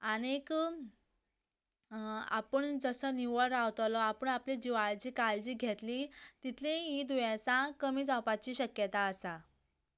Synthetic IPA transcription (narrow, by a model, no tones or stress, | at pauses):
añek | a̰pəɳd͡zəsəniʋəɽawt̪lɔapəɳapled͡ʑiʋaɭt͡ɕiːkald͡ʑiːɡʱet̪lit̪it̪ʰlĩɦid̪ujãt͡sãkəmiːd͡zapat͡ɕiːɕəkjət̪aəsa